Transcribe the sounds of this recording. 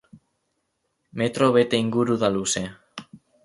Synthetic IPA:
me̞t̪ɾo̞βe̞t̪e̞iŋɡuɾuðaluse̞

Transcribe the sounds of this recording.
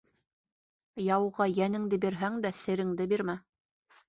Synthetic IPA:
jɑwʁɑjænɘ̆ŋd̪ɘbiɾɦæŋd̪æsɘ̆ɾɘ̆ŋd̪ɘbiɾmæ

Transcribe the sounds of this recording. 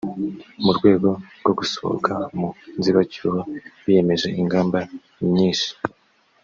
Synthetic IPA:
muɾɡwe̞ːɡo̞ɾɡo̞ɡusoβo̰kʰamunziβacuwowije̞me̞ʒe̞iŋɡaːmba | mɲiːnʃi̥

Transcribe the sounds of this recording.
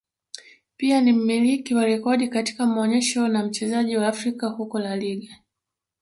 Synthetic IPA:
pianim̩milikiwaɾɛkɔɗikati̥kamaɔɲɛʃɔnam̩t͡ʃɛzaʄiwaːfɾikahukɔlaliɠa

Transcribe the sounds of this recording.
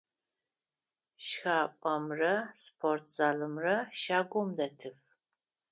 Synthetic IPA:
ʃxaːpʷʼɐmrɐspʰortʰz̥aːlɨmrɐʃaːɡʷɔmdɐtʰɨf

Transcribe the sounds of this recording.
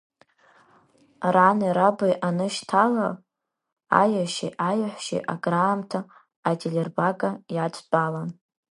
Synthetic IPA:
ranɨɾabajʔanɨʃtʰala | a̰jaʃḭʔajaħʷʃḭʔaɡraːmtʰaː | tʲʰʼelʲerbaɡajat͡sʷʼbalan

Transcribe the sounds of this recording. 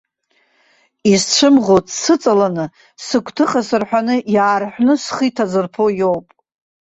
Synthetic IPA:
izt͡ɕʷʰɨmʁotʼsɨt͡sʼalanɨ | sɨkʷʰtʰɨχʼasɨrħᶣanɨjaːrħʷᶣnɨsχitʰazɨrpʰojowpʼ

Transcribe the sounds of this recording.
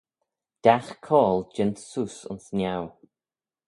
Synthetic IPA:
d̥axkʰɔːlˠd͡ʒɪnt̪suːsʊ̰nsnjaw

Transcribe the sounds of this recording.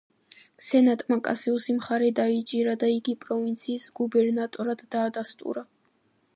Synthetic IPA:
sɛnat̪ʼmakʼa̰siɔsimχaɾɛd̪ait͡ʃʼiɾad̪aiɡipʼɾɔvint̪sʰiːsɡubɛɾnat̪ʼɔɾad̪̥ːaːd̪ast̪ʼṵɾa

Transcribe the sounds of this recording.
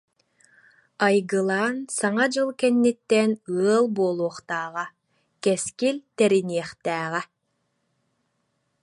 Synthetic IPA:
ajɡɯlˠaːnsaŋad͡ʑɯlˠkɛnːit̪ːɛnɯɐlˠbuɔlˠuɔχt̪aːʁa | kɛskilt̪ɛɾiniɛχt̪ɛːʁɛ

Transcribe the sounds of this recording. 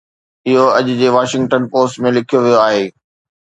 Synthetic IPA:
ɪɦoɐʄʊ̆d͡ʑeːʋaːʃɪ̃ŋɡʈənpoːsʈmẽlɪkʰijoʋijoaːɦeː

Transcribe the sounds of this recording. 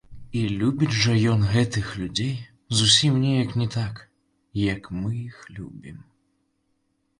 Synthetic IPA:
ilʲubʲit͡sʲʐɐjɔnɣɛt̪ɨxlʲud͡zʲej | zusʲimnʲɛjɐknʲɛt̪ak | jɐkmɨjixlʲṵbʲim

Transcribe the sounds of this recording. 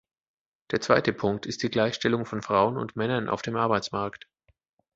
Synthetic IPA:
d̥eːɐt͡sv̥aɪtəpʰʊŋk̚tʰɪst̚d̥iːɡlaɪçʃtɛlʊŋfɔnfʁ̥aʊənʊ̰ntmɛnɐnʔa̰ʊfd̥eːmʔaɐbaɪt͡smaɐkt

